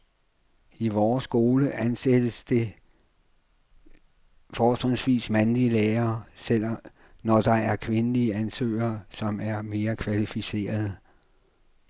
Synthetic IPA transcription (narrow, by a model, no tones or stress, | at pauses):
iʋɒːsɡ̥o̝ːləʔænsed̥əsd̥e̝ | fɒːd̥ʁeŋsʋḭːsmænliəleːɐːsel̰ | nɒd̥ɑ̈æɐkʰʋe̝nəliəænsø̰ːɐːsɒ̽mæɐme̝ːɐkʰʋælifise̝̰ːɐð̩ˠ